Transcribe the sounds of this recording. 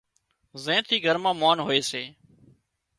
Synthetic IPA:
zẽːt̪ʰiːɡʱəɾmãːmaːnɦoːeːseː

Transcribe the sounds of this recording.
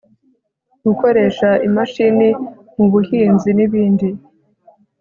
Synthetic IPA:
ɡ̥uko̞ɾe̞ʃaʔimaʃini | muβuhiːnziniβiːndi

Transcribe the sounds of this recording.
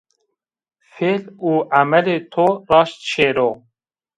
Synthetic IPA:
feːluːʔamɛleːt̪ʰorɑːʃt̪t͡ʃʰeːɾoː

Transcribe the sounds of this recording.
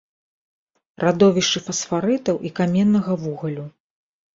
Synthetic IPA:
rʔad̪ɔvʲiʂt͡ʂɨfɐsfaɾɨt̪ɐwʔikamʲɛnːɐɣɐvuɣɐlʲu

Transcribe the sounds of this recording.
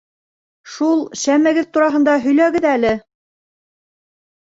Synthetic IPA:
ʃulˠʃæmɘ̆ɡɘðt̪uɾɑɦɤ̆nd̪ɑɦɵ̆jlæɡɘðælɘ

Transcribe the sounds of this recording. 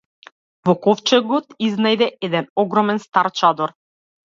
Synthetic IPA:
vɔkɔft͡ʃɛɡɔt̪iznajd̪ɛʔɛd̪ɛnɔɡɾɔmɛnst̪aɾt͡ʃad̪ɔɾ

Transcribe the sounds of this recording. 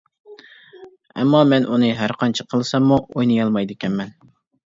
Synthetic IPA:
ɛ̰mːɑmɛnʔunɨɦæɾqʰɑnt͡ʃʰə̥qʰəlˠɨsɑmːuojnɨjɑlˠmɑjd̪ɪkʲɛnmɛn

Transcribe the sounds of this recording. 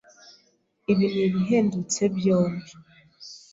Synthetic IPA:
iβinuβiɦeːndut͡sebjoːnbi

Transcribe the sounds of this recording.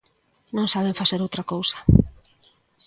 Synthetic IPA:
nõŋsaβ̞eɱfaθeɾowt̪ɾɐkowsɐ̥

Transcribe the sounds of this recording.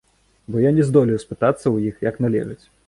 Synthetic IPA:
bɔjanʲɛzd̪ɔlʲijuspɨt̪at̪sːɐwjixjɐknalʲɛ̰ʐɐt͡sʲ

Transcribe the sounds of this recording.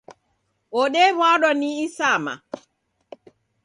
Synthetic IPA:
ʔɔɗɛwaːɗɔniːsama̰

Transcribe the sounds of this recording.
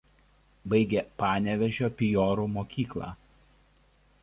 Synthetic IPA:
bɐɪɡʲeːpɑːnʲɛʋʲɛʒʲoːpʲɪjoːɾuːmoːkʲiːklˠɑ̰ː

